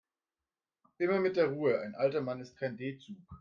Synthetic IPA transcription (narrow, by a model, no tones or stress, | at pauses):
ʔɪmɐmɪt̚d̥eːɐʁuːəʔa̰ɪnʔaltɐmanɪst̚kʰaɪndeːt͡suːk